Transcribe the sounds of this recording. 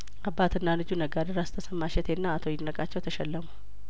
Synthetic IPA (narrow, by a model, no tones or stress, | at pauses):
ʔabːat̪ʰɨnːalɨd͡ʒunəɡad̪əɾast̪ʰəsəmːaʃɛt̪ʰenːaːt̪ʰojɪnːəkʼat͡ʃːɛwt̪ʰəʃɛlːəmu